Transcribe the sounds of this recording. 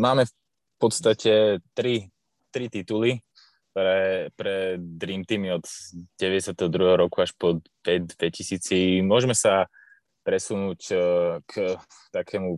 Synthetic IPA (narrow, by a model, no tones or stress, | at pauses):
maːmɛf | pɔt̪st̪acɛt̪ɾi | t̪ɾit̪it̪uli | ɛpɾɛd̪ɾiːmt̪iːmiɔd̪ɟɛʋɛɟɛsɪat̪ɛɦɔd̪ɾuɦɛɦɔɾɔkuaʃpɔ | pɛd̪ʋɛcisiːt͡simʊɔʒmɛsa | pɾɛsunuːck | t̪akʰɛːmu